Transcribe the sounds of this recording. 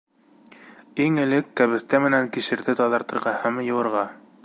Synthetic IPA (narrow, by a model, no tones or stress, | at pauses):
iŋɘ̆lɘkːæβɘ̆θt̪æmɘ̆næŋkiʃɘ̆ɾðɘt̪ɑðɑɾt̪ɤ̆ɾʁɑhæmjɤ̆wɤ̆ɾʁɑ